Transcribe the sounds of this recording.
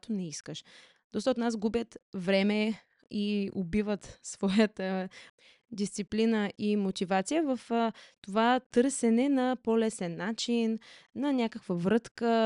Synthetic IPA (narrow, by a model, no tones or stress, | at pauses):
t̪onɛiskəʃ | d̪̥ɔst̪əot̪nas̬ɡubjət̪vɾɛmɛ | iobivət̪svɔjət̪ə | d̪ist̪siplinəʔimot̪ivat̪sijəvɐft̪ovat̪ɤɾsɛnɛnɐpolɛsɛnːat͡ʃinːɐnʲakəkvəvɾɤt̪kə